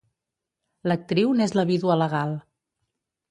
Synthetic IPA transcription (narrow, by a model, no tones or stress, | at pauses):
lək̚t̪ɾiwnezləβiðwuələɣalˠ